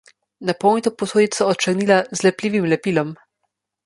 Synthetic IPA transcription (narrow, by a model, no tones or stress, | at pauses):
napɔwnit̪ɔpɔsoːjit̪sɔːt̪̚t͡ʃəɾniːlazlɛpliːʋimlɛpiːlɔm